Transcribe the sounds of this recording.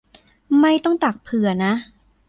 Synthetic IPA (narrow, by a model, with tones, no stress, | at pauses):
ma˥˩jt̪ɔ˥˩ŋt̪a˨˩k̚pʰɯ˨˩˦ɐna˦˥ʔ